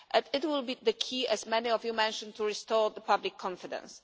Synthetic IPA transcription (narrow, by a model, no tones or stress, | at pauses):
ʔɨ̃nɪt̚wɪlˠbiðəkʰiʔɨzmɛniɔvjumɛ̃nʃə̃ntʰuɹɪstɔɹðəpʌblɪkʰːɔ̃ɱfɪdə̰̃ns